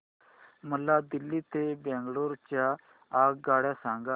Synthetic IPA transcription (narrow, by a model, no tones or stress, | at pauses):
məlːaːd̪ɪlːiːt̪eːbɛ̃ːŋɡloːɾt͡ʃa | aːɡɡaːɽjaːsãːŋɡa